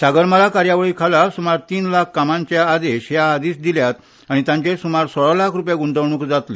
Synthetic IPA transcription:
saɡəɾməlakaɾjaʋəɭiːkʰalasumaɾt̪iːnlakʰːamãɲt͡ɕjaːd̪eɕjaːd̪iːsd̪iljat̪ | aɽ̃it̪jãɲt͡ɕesumaɾsɔɭlakʰɾupjaɡund̪əʋɳ̃uːkd͡zat̪le

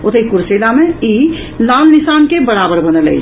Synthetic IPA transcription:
ot̪əikuɾselamei | lalnisankebəɾabəɾbənəlɛ̰

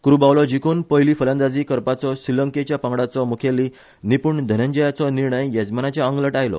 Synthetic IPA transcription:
kuɾubawlɔd͡ʑikonpəɦjliːfʰəlãnd̪ad͡ziːkəɾpat͡sɔsiləŋket͡ɕjapə̃ŋɡɽat͡sɔmukʰeli | nipuːɳd̪ʱənəɲd͡ʑəjat͡sɔniɾɳəjːad͡zmanat͡ɕjaəŋɡləʈajlɔ̰

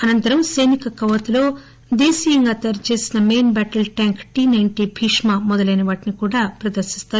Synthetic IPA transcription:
ɐnɐnt̪ɐɾɐmsɐjnikɐkɐʋɐt̪ulo̞ː | d̪eːsiːjɐŋɡaːt̪ɐɾt͡ʃe̞ːsinɐmeːnbæːʈɐlʈaːŋkʈiːnɐjɳʈibʱiːʂmaːmɔd̪ɐlɐjnɐʋaːʈinikuːɽaːpɾɐd̪ɐɾʃist̪aːu

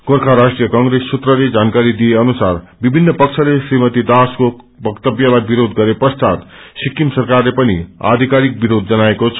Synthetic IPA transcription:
korkʰaɾasʈrijʌkʌŋɡɾesːut̪rʌled͡zankaɾid̪ijeʌnusarbibʱinːʌpʌkt͡sʰʌlesrimʌt̪id̪asko | bʌkt̪ʌbjalajbiɾod̪ɡʌɾepʌst̪at̪sikːimsʌrkarlepʌnḭa̰d̪ʱikaɾik̚biɾod̪̚d͡zʌnaekot͡sʰʌ̥

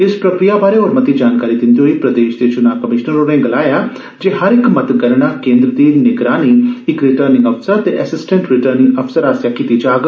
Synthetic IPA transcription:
ɪspɾɐkɾijabaːɾeɔːɾmɐt̪id͡ʒaːnkaːɾid̪ɪ̃nd̪ioɦipɾɐd̪eːʃd̪et͡ʃʊnakɐmɪʃnəɾonẽɡɐlaːja | d͡ʒeːɦɐɾɪkmɐt̪ɡɐɾɽ̃akẽːnd̪ɾəd̪iːneɡɾaːniɪkɾɪʈəɾnɪ̃ŋɡɐfsəɾt̪eʔɛsɪsʈə̃ɳʈɾɪʈəɾnɪ̃ŋɐfsəɾaːsjakit̪id͡ʒaːɡ

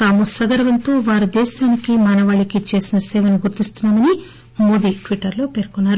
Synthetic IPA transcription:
t̪aːmusɐɡɐɾɐʋɐnt̪o̞ːʋaːɾud̪ɛːʃaːnikimɐnɐʋaːɭikit͡ʃe̞ːsinɐsɛːʋɐnuɡuɾt̪ist̪unːaːmɐni | mo̞ːd̪iːʈʋiʈːɐɾlo̞ːpe̞ːɾkunːaːɾu

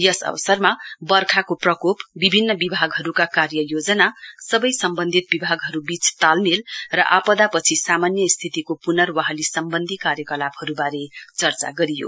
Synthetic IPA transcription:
jʌsʌ̰bʌsʌrmabʌrkʰakoprʌkopbibʱinːʌbibʱaɡɦʌɾukakarjʌjod͡zʌnasʌbʌjsʌmbʌnd̪ʱit̪̚bibʱaɡɦʌɾubit͡st̪almilrʌʔapʌd̪apʌt͡sʰisamanjʌst̪ʰit̪ikopunʌrwaɦʌlisʌmbʌnd̪ʱikaɾjʌkʌlabhʌɾubaɾet͡sʌrt͡sa̰ɡʌɾijo̰

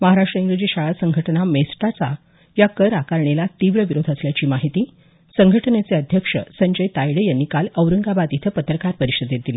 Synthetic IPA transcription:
məɦaɾaʂʈɾəiŋɡɾəd͡ʑiːɕaɭasəŋɡʱəʈənamesʈat͡sa | jakəɾakaɾɳelat̪iʋɭəʋiɾod̪ʱəsljat͡ɕiːmaɦit̪iː | səŋɡʱəʈənet͡seəd̪ʱjəkʂə̰səɲd͡ʑəjt̪ajɽəjanːikaləwɾəŋɡabad̪jit̪ʰəpət̪ɾəkaɾpəɾiɕəd̪jet̪̚ili

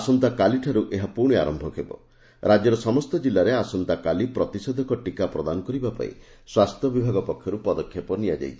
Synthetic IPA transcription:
asɔnt̪akaliʈʰaɾuʔeɦapuɾɳ̃ea̰ɾɔmbʱɔkʰebɔ̰ | ɾad͡ʒjɔɾɔsɔmɔst̪ɔd͡ʒilːaɾeasɔnt̪akalipɾɔt̪isɔd̪ʱɔkɔʈikapɾɔd̪anɔkɔɾibapa̰ḭ | swast̪ʰjɔbibʱaɡɔpɔkʰjɔɾupɔd̪ɔkʰːjepɔnijad͡ʒa̰jt̪ʰi̥

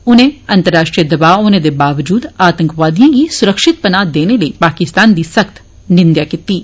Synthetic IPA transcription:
ʊnɦẽɐ̃nt̪əɾːaːʃʈɾijəd̪ɐbaːoːned̪ebaːʋd͡ʒuːd̪aːt̪ə̃ŋkʋaːd̪ijãkisʊɾəkʃɪt̪̚pənaːd̪eːneləipaːkɪst̪aːnd̪isɐkt̪ | nɪ̃nd̪jakɪt̪iː

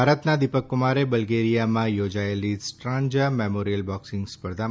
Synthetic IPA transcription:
aɾət̪nad̪ipəkːʊmaɾebəlɡeɾijamãjod͡ʒaelisʈɾãɲd͡ʒəmemoɾijəlbɔksɪ̃ŋɡspəɾd̪ʱa

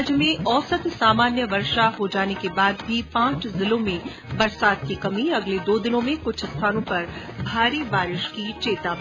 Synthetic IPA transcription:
d͡ʒəmẽɔːsət̪saːmaːnjəʋɐɾʃaɦod͡ʒaːnekebaːd̪bʱipãːt͡ʃʰzɪlõmẽ | bɐɾsaːd̪̚kikɐmiɐɡled̪oːd̪ɪnõmẽkʊt͡ʃʰst̪ʰaːnõpɐɾ | bʱaːɾibaːɾɪʃkit͡ʃeːt̪ab

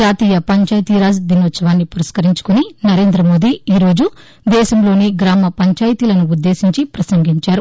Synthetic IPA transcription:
aːt̪iːjɐpɐɲt͡ʃaːjt̪iːɾaːsd̪inoːt̪sɐʋaːnːipuɾɐskɐɾiɲt͡ʃu̥kuninɐɾe̞ːnd̪ɾɐmo̞ːd̪iiːɾo̞ːd͡ʒu | d̪ɛːʃɐmloːniɡɾaːmɐpɐɲt͡ʃaːjt̪iːlɐnuud̪ːe̞ːsiɲt͡ʃipɾɐsɐŋɡiɲt͡ʃaːɾu

